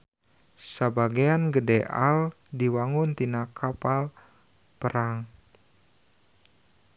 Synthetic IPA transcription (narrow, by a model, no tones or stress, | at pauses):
səbaɡianɡədɛʔa̰l | diwaŋʊnt̪inakʰapal | pəɾaŋ